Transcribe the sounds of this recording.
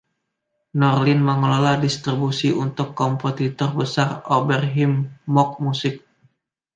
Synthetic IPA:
nɔrlɪnməŋololahdist̪ɾibusiunt̪ʊkːɔmposit̪ɔrbəsarobɛrɦɪmːɔk̚musɪk̚

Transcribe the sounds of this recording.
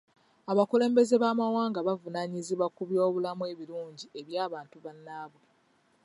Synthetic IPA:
aβakule̞ːmbe̞ze̞βaːmawaːŋɡaβavunaɲiziβwakuβjo̞ːβulamue̞βiluːɲɟie̞βjaːβaːntuβanːaːβwe

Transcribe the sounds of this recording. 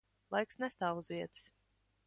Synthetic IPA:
lˠajksnɛst̪aːvuzvʲiɛt̪ɨ̥s

